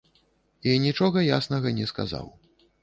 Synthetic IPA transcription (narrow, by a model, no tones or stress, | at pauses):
inʲit͡ʂɔɣɐjasnɐɣɐnʲɛska̰za̰w